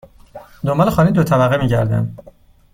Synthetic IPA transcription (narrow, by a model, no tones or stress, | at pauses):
d̪ombɒlexɒːniːd̪ot̪ʰævæɣemiːɟæɾd̪æ̰nd̪